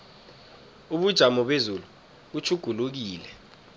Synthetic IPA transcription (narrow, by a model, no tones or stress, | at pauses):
uɓud̥ʒ̥ʱamɔɓezulu | ɓut͡ʃʰuɡ̥ʱuluk̬iːlɛ